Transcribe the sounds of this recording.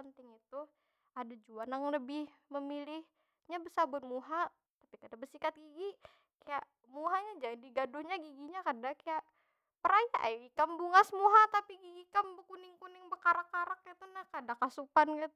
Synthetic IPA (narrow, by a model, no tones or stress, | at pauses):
ənt̪ɪŋit̪u | adad͡ʒuanjaŋləbɪhməmilɪh | ɲabəsabʊt̪̚muɦa | tapikadabərsikat̪̚ɡiɡi | kajaʔ | muɦaɲad͡ʒandiɡadʊhɲaɡiɡiɲakadakajaʔ | pəɾaja̰ʔajɡikambuŋasəmuɦat̪apiɡiɡikambəkunɪŋkunɪŋbəkaɾakːaɾakːat̪unakadakasupankat̪